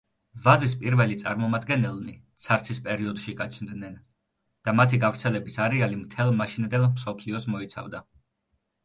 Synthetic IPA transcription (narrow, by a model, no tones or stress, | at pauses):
vazispʼiɾvɛlit̪sʼa̰ɾmɔmad̪ɡɛnɛlˠnit̪sʰaɾt̪sʰispʼɛɾiɔd̪ʃiɡat͡ʃʰnd̪nɛn | d̪̥amat̪ʰiɡavɾt̪sʰɛlɛbisaɾɛalimt̪ʰɛlˠmaʃind̪ɛlˠmsɔpʰliɔsmɔit̪sʰa̰vd̪a